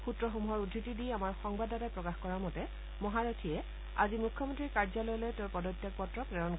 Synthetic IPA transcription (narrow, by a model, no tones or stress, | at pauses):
xutɹɔxomuɦɔɹudʱitidijamaɹxɔŋbadatajpɹɔkaxkɔɹamɔtɛ | mɔɦaɹɔtʰiɛ | a̰zimukʰːɔmɔntɹikaɹzalɔjlɔjteʊɹpɔdɔtːjak̚pɔtɹɔpɹɛɹɔn